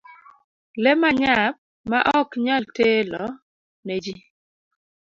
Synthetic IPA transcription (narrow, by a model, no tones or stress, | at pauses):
lɛmaɲap̚ | maʔɔkɲaltelɔ | ned͡ʒi